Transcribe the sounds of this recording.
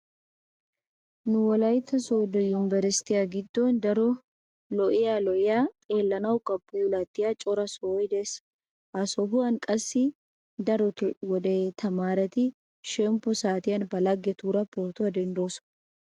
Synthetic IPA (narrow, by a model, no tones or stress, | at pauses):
nʊwɔlɐjt̪ːɐsod̪ɔjʊmbɛɾɪst̪ɪjaɡɪd̪ːɔnd̪ɐɾɔ | lɔʔɪjalɔʔɪjaːt̪ʼeːlːɐnɐwkʼɐbːuːlat̪ːɪjat͡ʃʼɔɾɐsoːjd̪ɛs | ɐsɔɦʊɐnkʼɐsːɪ | d̪ɐɾɔtwɔd̪eːt̪ʰɐmaːɾɛt̪ɪ | ʃɛmpːɔsaːt̪ɪjɐnbɐlɐɡːɛt̪uːɾɐpɔɾt̪ʊɐd̪ɛnd̪o̞ːs